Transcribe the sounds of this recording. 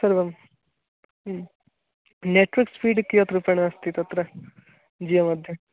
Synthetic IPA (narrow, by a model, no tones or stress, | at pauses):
sɐɾbɐm | neʈʋɐɾkspiːɖkːijot̪ɾupɐɳɐɐst̪it̪ɐt̪ːɾe | d͡ʒiːjɐmɐd̪ʱjɐ